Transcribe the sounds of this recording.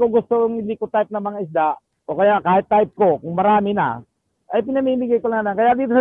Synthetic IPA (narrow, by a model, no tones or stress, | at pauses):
koɡʊst̪oʊŋhɪnd̪ikot̪ajp̚nɐmɐŋaʔɪs̬d̪a | ʔokɐjaʔkaːhɪt̪ːajp̚kokʊŋmɐɾaːmɪna̰ | ʔɐjpɪnɐmiːmɪɡajkolaŋlaŋkɐjaʔd̪iːt̪os